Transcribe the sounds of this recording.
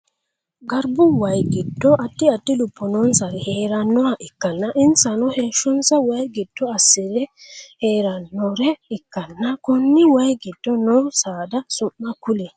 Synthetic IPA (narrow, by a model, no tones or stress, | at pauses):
ɡɐɾbʊwɐjɡɪd̪ːɔʔɐt̪ːɪɐt̪ːɪlʊpːɔnɔnsɐɾɛheːɾɐnːɔaʔɪkːɐnːɐʔɪnsɐnɔheːʃːɔnsɐwɐjɡɪd̪̥ːɔɐsːɪdɛheːɾɐnːɔɾɛɪkːɐnːɐkʊnːɪwɐjɡɪd̪̥ːɔnɔsaːd̪ɐsʊʔːɐkʊlɛ